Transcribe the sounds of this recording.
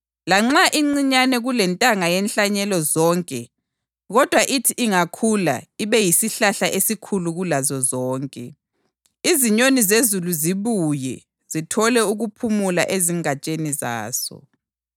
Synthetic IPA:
laŋ͡ǁaʔiŋ͡ǀiɲanɛɣulɛntʼaŋajɛnɬaɲɛlɔzɔːŋkʼɛ | ɣɔd̥ʱwaʔitʰiʔiŋakʰula̰iβɛjisiɬaɬaʔesikʰuluɣulazɔzɔːŋkʼɛ | iziɲonizezuluziβujɛ̰ | zitʰɔlɛuɣupʰumula̰ʔeziŋat͡ʃʼeniza̰ːsɔ̰

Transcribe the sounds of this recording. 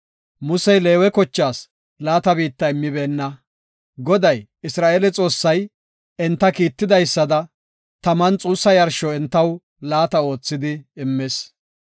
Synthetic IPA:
mʊsɛjle̞ːwɛkɔt͡ʃːaːs | laːt̪ɐbiːt̪ːɐɪmːɪbeːnːɐ | ɡɔd̪ɐj | ɪsɾaːʔeːlɛt͡sʼo̞ːsːɐj | ɛnt̪ːɐkiːt̪ːɪd̪ɐjsːɐd̪ɐ | t̪ɐmɐnt͡sʼuːsːɐjɐɾʃɔɛnt̪ːɐw | laːt̪ɐo̞ːt͡sːɪd̪ɪɪmːes

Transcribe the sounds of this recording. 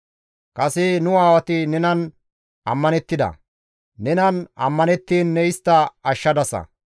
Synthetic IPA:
kʼɐsɪnʊaːwɐt̪ɪnɛnɐn | ʔɐmːɐnɛt̪ːɪd̪ɐ̰ | nɛnɐnɐ̰mːɐnɛt̪ːiːnːɛɪst̪ːɐɐʃːɐd̪ɐsɐ̰

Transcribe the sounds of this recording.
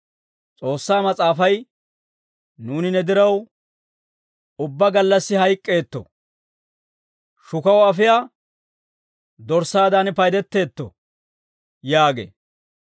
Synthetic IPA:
t͡sʼo̞ːsːaːmɐt͡sʼaːfɐj | nuːnɪnɛd̪ɪɾɐw | ʊbːɐɡɐlːɐsːɪɦɐjkʼːe̞ːt̪ːɔ̰ | ʃʊkɐwɐfɪjaː | d̪ɔɾsaːd̪anpɐjd̪ɛt̪ːe̞ːt̪ːɔ̰ | jaːɡḛː

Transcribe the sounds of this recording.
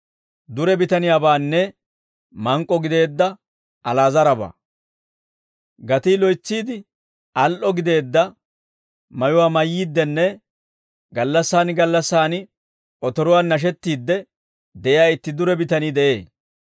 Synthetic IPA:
d̪ʊɾɛbɪt̪ɐnɪjaːbaːnːɛ | mɐŋkʼːɔɡɪd̪e̞ːd̪ːɐ | ʔɐlaːzɐɾɐba̰ː | ɡɐt̪iːlɔjt͡sːiːd̪ɪ | ʔɐlʔɔɡɪd̪e̞ːd̪ːɐ | mɐjʊwaːmɐjːiːd̪ːɛnːɛ | ɡɐlːɐsːaːnɡɐlːɐsːaːnɪ | ʔɔt̪ɔɾʊwaːnːɐʃ̬ɛt̪ːiːd̪ːɛ | d̪ɛʔɪjaːɪt̪ːɪd̪ʊɾɛbɪt̪ɐniːd̪ɛʔeː

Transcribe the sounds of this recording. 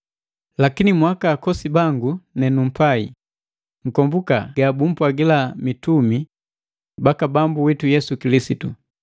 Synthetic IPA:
lakinimwakaːkɔsibaŋɡunɛnum̩pai | ŋ̩kɔmbuka̰ɡabum̩pwaɡilamitumi | bakabambuwitujɛsukilisitu

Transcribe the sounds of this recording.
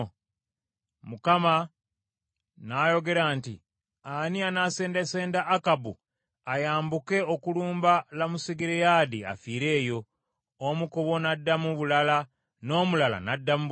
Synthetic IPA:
mukama | najo̞ɡe̞ɾaːntḭ | anianaseːndeseːndaʔːkabṵ | ajaːmbuke̞okuluːmbalamusiɡiɾejadia̰fiːɾe̞ːjo̞ | omukoβo̞nadːamuβulala | no̞ːmulala̰nadːamu

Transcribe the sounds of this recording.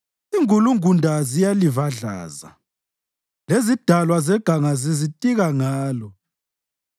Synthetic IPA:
iŋuluŋundʱazijalivaɮa̰ːza̰ | lezid̥ʱalwazɛɡ̥ʱaŋazizitʼiɣaŋaːlɔ

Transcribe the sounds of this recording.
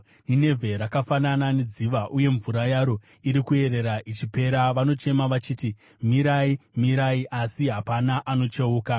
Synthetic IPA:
nine̞vʱe̞ɾakafanananed͡ziʋaʔuje̞ɱvuɾajaɾo̞ | iɾikue̞ɾe̞ɾaʔit͡ʃipe̞ɾaʋano̞t͡ʃe̞maʋat͡ʃiːti | miɾaimiɾaiʔasiɦapanaʔano̞t͡ʃeuːka

